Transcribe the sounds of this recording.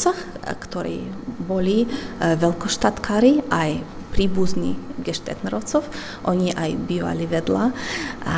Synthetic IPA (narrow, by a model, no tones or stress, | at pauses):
saxkt̪ɔɾḭːbɔlʲiʋɛlkɔʃt̪at̪kʰaːɾiʔaj | pɾiːbuznʲiɡɛʃt̪ɛ̰t̪nɾɔwt͡sɔf | ʔɔɲʲiʔajbioa̰liʋɛd̪la